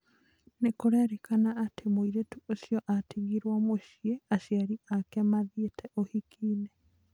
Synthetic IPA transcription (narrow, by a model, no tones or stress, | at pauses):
nekoɾɛaɾekanaːtʰemoiɾetuosjɔʔatiɣiɾwamoʃieaɕiaɾiakɛmaðietʰɛʔohikʰiːnɛ